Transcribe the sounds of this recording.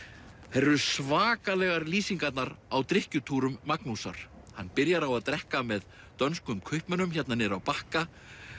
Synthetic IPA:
θɛɾʏsvaːkalɛɣaɾliːsiŋkat̪naɾawt̪ɾɪhcʏt̪ʰuːɾʏmːaknusa̰ɾ̥ | hanːpɪɾjaɾawaðt̪ɾɛhkamɛð | t̪œnskʏmkʰœɥhpmɛnʏmçɛt̪nanɪɾawpahka

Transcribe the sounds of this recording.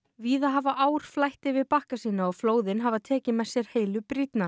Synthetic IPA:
viːðaɦavaʔaːwɾ̥flajht̪ɪvɪðpahkasiːnaɔɣfloːwðɪnɦavat̪ʰɛːcɪmɛðsjɛɾ̥heːjlʏpɾit̪na

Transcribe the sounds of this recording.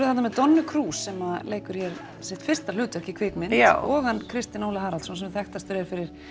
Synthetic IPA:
ɾʏθat̪namɛðt̪ɔnːʏkʰɾuːsːɛmaleːjkʏɾ̥jɛɾ | sɛht̪fɪr̥st̪alʏːt̪ɛhcɪkʰveːkmɪnɔɣankʰɾɪst̪ɪnoːwlaɦaːɾalt̪sɔnsɛmθɛxt̪ast̪vʏɾɛɾfɪɾɪɾ̥

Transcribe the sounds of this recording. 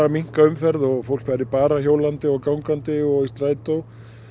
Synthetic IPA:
amiŋ̥kaʏmfɛɾðɔɣfowl̥kfaːjɾɪpaːɾaçowlant̪ɪɔɣkawŋkant̪ɪɔɣist̪ɾaːjt̪ow

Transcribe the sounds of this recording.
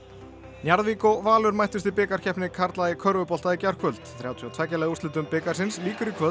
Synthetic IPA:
njaɾðviːkɔvaːlʏɾmajht̪ʏst̪ɪpɪːkaɾ̥cʰɛhpnɪkʰaɾt̪laðɪkʰœɾvʏpɔlt̪aðicar̥kʰœlt̪θɾjawt̪ʰiawt̪ʰvɛcːɪlɛɣust̪ɪt̪ʏmpɪːkaɾsɪnsliːkʏɾikʰvœ

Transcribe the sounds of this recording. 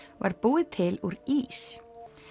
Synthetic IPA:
va̰ɾpuːðɪt̪ʰɪluɾiːs

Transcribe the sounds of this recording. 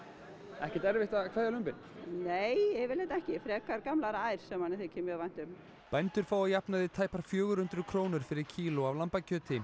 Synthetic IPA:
ɛhcɛt̪ɛɾvɪht̪akʰvɛɾðjalʏmpɪn | neːjɛvɪlajt̪ɛhcɪfɾɛːkaɾkamlaɾaːjɾ̥sɛmhanːɛθɛcʰɛːmʏavajn̥t̪ʏm | pajnt̪ʏɾ̥faːwajapnaðɪt̪ʰaːjpaɾ̥fjœːɣʏɾʏnt̪ɾʏkʰɾoːwnʏɾ̥fɪɾɪɾ̥cʰiːlɔavlampacʰœːt̪ɪ

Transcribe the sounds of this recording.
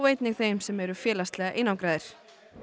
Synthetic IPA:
veːjt̪nɪɣθejmsɛmɛɾʏfjɛːlast̪lɛɣaʔenːawkɾaːðɪɾ̥

